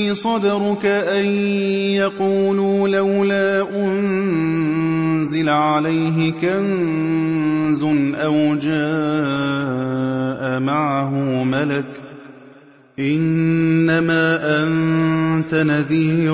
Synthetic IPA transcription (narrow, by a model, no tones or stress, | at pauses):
isˤɑd̪ɑɾʊkaʔajjɑquːluːlawlaːʔʊnn | zɪlʕalajɦɪkan | zʊnʔawd͡ʒaː | ʔamaʕaɦʊmalak | ʔɪnːamaːʔant̪anaðiː